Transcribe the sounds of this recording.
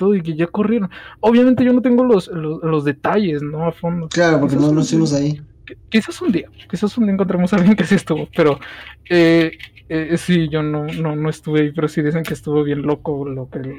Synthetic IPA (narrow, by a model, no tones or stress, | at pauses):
t̪oðoik̬e̞ʝako̞rje̞ɾo̞noβ̞jamẽnt̪e̞ʝo̞not̪eŋɡo̞losloslo̞zðe̞t̪aʝe̞zno̞afo̞nd̪oklaɾopokenonosimos̬aikkisasund̪iakisasund̪iaeŋkont̪ɾemo̞salɣje̞ŋkesie̞st̪uβope̞ɾoe | esiʝo̞no̞no̞no̞est̪uβeaipe̞ɾosiðiseŋkeːst̪uβo̞βje̞nlo̞ko̞lo̞ke